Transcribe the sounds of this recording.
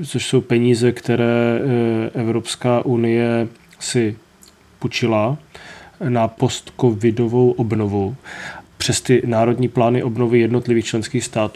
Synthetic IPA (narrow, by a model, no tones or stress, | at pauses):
t͡soʃso̞wpɛɲiːzɛkt̪ɛɾɛː | ʔɛvɾopskaːʔunɪjɛ | sɪ | put͡ʃɪla | napo̞st̪kovɪdo̞vo̞wʔobnovu | pr̥ɛst̪ɪnaːɾo̞dɲiːplaːnɪʔo̞bnovɪjɛdno̞t̪lɪviːxt͡ʃlɛnskiːxst̪aːt̪u